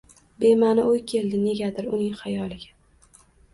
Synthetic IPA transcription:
be̞manɪojkʲʰe̞ld̪ɪne̞ɡʲad̪ɪɾʊnɪŋχajɒlɪɡʲa

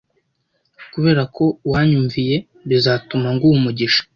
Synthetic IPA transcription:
kuβe̞ːɾako̞waːɲuɱvije̞ | βizaːtumaŋɡuumuɟiʃḁ

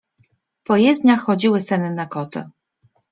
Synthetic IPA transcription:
pɔjɛzd̪ɲaxːɔd͡ʑiwɘsɛnɘnakɔt̪ɘ̰

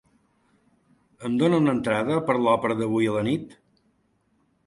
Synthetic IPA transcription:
əmd̪onəunənt̪ɾaðəpəɾlɔpɾəðəβujələnit̪

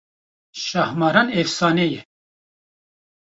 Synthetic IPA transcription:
ʃɑhmɑːɾɑnefsɑːnejɛ

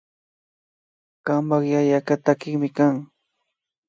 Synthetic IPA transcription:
kamaχjajakat̪akɪŋmɪkaŋ

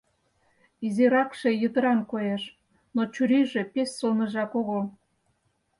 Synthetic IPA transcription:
izeɾɑkʃejət̪əɾɑnkojeʃ | not͡ɕyɾiʒe̽pessəlnəʒɑkoɣo

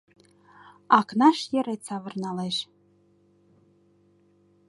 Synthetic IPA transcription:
akʰnaʂjɛɾejt͡sʰavɨrnaleʃ

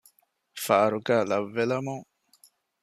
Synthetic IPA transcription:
fɐʔɐɾuɡæːlɐʋːelɐmuŋ

